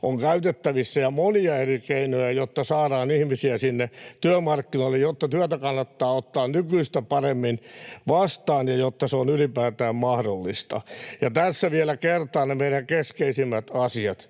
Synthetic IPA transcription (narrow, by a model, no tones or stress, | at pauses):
oŋkæyt̪et̪ːæʋisːæjɑmoniɑerikeinojæjot̪ːɑsɑːɾɑːnihmisiæsinːet̪yømɑrkːinoilːejjot̪ːɑt̪yæt̪ækɑnːɑt̪ːɑːot̪ːɑːnnykyist̪æpɑremːinʋɑst̪ɑːnjɑjot̪ːɑseonylipæːt̪æːmmɑhdolːist̪ɑ̰jɑt̪æsːæʋiɛlækert̪ɑːnnemeiɾæŋkeskeisimːæt̪ɑsiɑt̪